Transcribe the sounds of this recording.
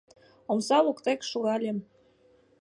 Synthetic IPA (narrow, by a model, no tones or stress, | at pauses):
omsɑlukt̪ekʃuɣɑlʲem